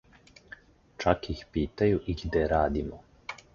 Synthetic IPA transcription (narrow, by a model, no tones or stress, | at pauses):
t͡ʃakjixpiːt̪ajuʔiɡd̪ɛɾaːd̪imɔ